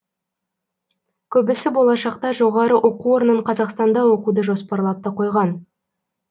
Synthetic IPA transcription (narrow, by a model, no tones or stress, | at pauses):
kʲʰɵbɪsɪbo̞lˠɑʃɑqt̪ɑʒo̞ʁɑɾəʔo̞quwo̞ɾənəɴqʰɑzɑqst̪ɑnd̪ɑwo̞qud̪əʒo̞spɑɾlˠɑp̚t̪əqʰo̞jʁɑn